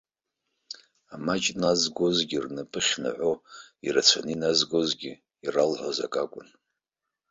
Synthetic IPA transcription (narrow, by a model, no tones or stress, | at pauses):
amat͡ʃʼnazɡʷozɡʲirnɨpʼɨχʲna̰ʕʷoirat͡ɕʷʰa̰ninazɡozɡʲi | iralħʷoza̰kʼakʷʼʊn